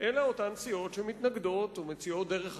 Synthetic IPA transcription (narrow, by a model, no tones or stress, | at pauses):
ʔelaotansio̞tʃemitnaɡdo̞tumet͡sio̞t̚deʁeχ